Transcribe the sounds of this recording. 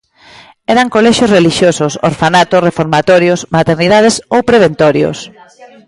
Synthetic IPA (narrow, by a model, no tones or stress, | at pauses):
ɛɾaŋkolɛʃosreliʃjosʊso̰ɾfanat̪osrefoɾmat̪ɔɾjosmat̪eɾnið̞að̞esowpɾeβ̞ent̪ɔɾjo̰s